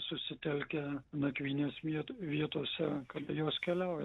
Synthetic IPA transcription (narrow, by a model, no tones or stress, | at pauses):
sʊsʲɪt̪ʲɛlʲkʲɛnɐkʲʋʲiːnʲeːsʋʲiɛt̪ʋʲiɛt̪oːsʲɛkɐt̪joːskʲɛlʲɛʊjɛ